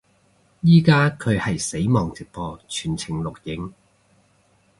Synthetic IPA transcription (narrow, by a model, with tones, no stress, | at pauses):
jiː˥kaː˥kʰɵ˨˧hɐ˨jse˨˥jmɔː˨ŋt͡sɪ˨˩k̚pɔː˧t͡ʃʰy̥ː˨˩nt͡sʰɪ˨˩ŋlʊ˨k̚jɪ˨˥ŋ